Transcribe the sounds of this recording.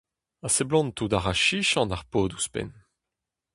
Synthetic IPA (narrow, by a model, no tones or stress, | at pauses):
aseblɔ̃nt̪udaʁaʃiʃɑ̃naʁpoːduspɛ̰n